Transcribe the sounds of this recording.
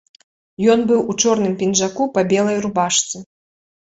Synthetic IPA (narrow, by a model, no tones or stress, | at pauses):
jɔnbɨwut͡ʂɔrnɨmpʲinʐakupɐbʲɛlˠɐjrubaʂt̪sɨ